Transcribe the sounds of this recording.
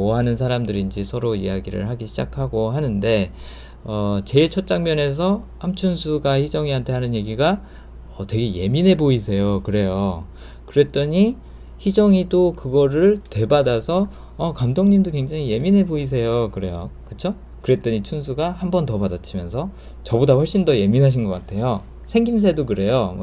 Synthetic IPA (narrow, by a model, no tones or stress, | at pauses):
moɦanɯnsʰaɾamdɯɾiːnd͡ʑisʰʌɾoḭjaɡiɾɯ̰ɭhaɡiɕʰid͡ʑakʰaɡoɦanɯnde̞ | ʌt͡ɕe̞t͡ɕʰʌt͡ɕ͈aŋmjʌne̞s̬ʰʌ | amt͡ɕʰunsʰuɡaçid͡ʑʌŋiantʰe̞ɦanɯnje̞ɡiɡa | ʌtwe̞ɡe̞je̞̰minɦe̞bois̬ʰe̞jokɯɾe̞jo | kɯɾe̞t͈ʌɲi | çid͡ʑʌŋidokɯɡʌɾɯɭtwe̞badasʰʌ | ʌkamdoŋɲimdokwe̞ŋd͡ʑaŋije̞minɦe̞bois̬ʰe̞jokɯɾe̞jo̰kɯt͡ɕʰo | kɯɾe̞t͈ʌɲit͡ɕʰuns̬ʰuɡahambʌntʌbadat͡ɕʰimjʌnsʰʌ | t͡ɕʌbodaɸwʌɭɕ͈indʌje̞minɦaɕ̬ʰinɡʌk͈atʰe̞jo | sʰeŋɡims̬ʰe̞dokɯɾe̞jom̰